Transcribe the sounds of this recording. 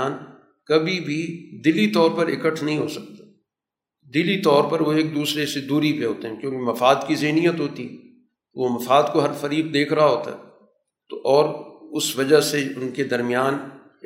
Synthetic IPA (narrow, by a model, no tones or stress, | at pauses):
aːn | kɐbʱibʱid̪ɪlit̪ɔːɾpɐɾɪ̰kəʈʰnɐɦĩɦoːsɐk̚t̪a | d̪ɪlit̪ɔːɾpɐɾʋoeːk̚d̪uːsɾesed̪uːɾipeɦoːt̪eɦɛ̃kjõːkemɐfaːd̪kizɐɦnijət̪ɦoːt̪iɦɛ | ʋomɐfaːd̪koɦɐɾfɐɾiːb̚d̪eːkʰɾɐɦaɦoːt̪a̰ɦɛ | t̪oʔɔːɾʊsʋɐd͡ʒaseʊnked̪ɐɾmijaːn